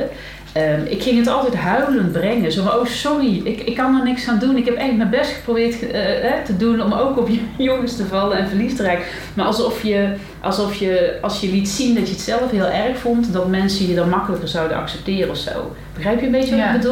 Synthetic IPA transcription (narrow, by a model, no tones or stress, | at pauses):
əmɪkxɪŋɦətɑlˠtɛjtɦœɥləntbrɛŋənzowvaowsɔriɪkɪkːɑnɔnɪksxaːndunɪkɦɛpɛxtmənbɛstxə̥prowbɪːɹtːɦɛtədunɔmowkɔpjjɔŋəstəvɑlənɛnvərlistəraːkə | maːɑlˠsɔfjə | ʔɑlˠsɔfjəɑlˠsjəlitsindɑtjəətsɛlˠəfɦɪːlˠɛrxfɔntdɑtmɛnsəjədɑnmɑkələkərzɑwdənɑ̰ksɛp̚tɪːrəɔfso̰w | b̥əɣrɛjpjəmbejəʋədu